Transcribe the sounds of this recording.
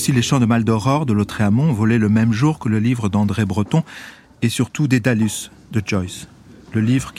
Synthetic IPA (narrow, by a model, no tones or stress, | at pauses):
sileʃɑ̃d̪əmald̪ɔʁɔʁd̪əlot̪χeamɔ̃vɔleləmɛmʒuʁkələlivʁəd̪ɑ̃d̪ʁebʁət̪ɔ̃ | esyʁt̪ud̪ed̪alys | d̪əd͡ʒɔjs | ləlivʁək